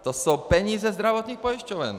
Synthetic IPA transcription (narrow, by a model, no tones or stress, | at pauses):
t̪ɔsuːpɛɲiːzɛzd̪ɾaʋɔt̪niːxpɔiʃcɔʋɛ̰ɲ